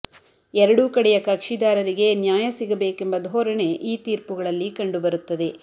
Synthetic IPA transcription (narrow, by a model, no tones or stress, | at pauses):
ɛɾɐɽukɐɽɛjɐkɐkʂid̪aːɾɐɾiɡe̞njaːjɐsiɡɐbeːkembɐd̪ʱɔːɾɐɳe̞ʔiːt̪iːɾpuɡɐɭɐlːikɐɳɖubɐɾut̪ːɐd̪e̞